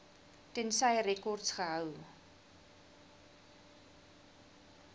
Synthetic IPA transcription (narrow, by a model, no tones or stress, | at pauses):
tɛnsɐjrɛkɔrtsχəɦəw